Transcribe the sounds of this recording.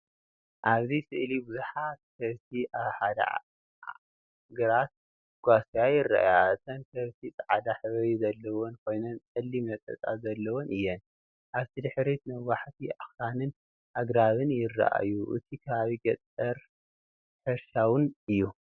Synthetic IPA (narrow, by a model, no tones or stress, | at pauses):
ʔaβzisɨʔlibɨzuħat̪̚sʰɐβt̪ʰiʔaβħad̪a̰ | ɡɐɾat̪̚ | ɡ̥ʷasjajɪrːa̰ʔa̰jaʔɨt̪ʰɐnsɐβt̪ʰit͡sʼaʕad̪aħɨβɐjizɐlːɐwonkʰo̞jnont͡sʼɐlːimɐt̪ʼɐ̰t͡sʼazɐlːɐwonɨjːɛn | ʔaβt̪ʰid̪ɨħɾit̪nɨwaħt̪ʰiʔaxɾanɨn | ʔaɡɾaβɨnjɪrːa̰ʔa̰juʔɨ̰t̪ʰikʰɐβaβiɡɐt͡sʼɐɾ | ħɨɾʃawʊnɨjːu